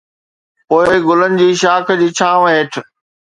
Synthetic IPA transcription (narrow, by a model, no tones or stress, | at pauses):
poːɪɡʊlənɪ̆d͡ʑiːʃaːkʰd͡ʑiːt͡ɕʰãːʋɦeːʈʰ